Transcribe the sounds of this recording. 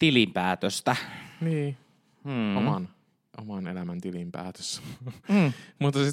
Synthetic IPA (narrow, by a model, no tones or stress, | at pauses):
t̪ilimpæːt̪øst̪æniː | omɑn | ʔomɑnelæmænt̪ilimpæ̰ːt̪ø̥s | mut̪ːɑsi